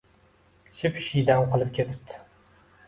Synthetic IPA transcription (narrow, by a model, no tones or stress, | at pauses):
ʃʰɪpʃijd̪amqʰɨlˠɪp̚kʲʰe̞t̪ʰɪ̥p̚t̪ʰɪ̥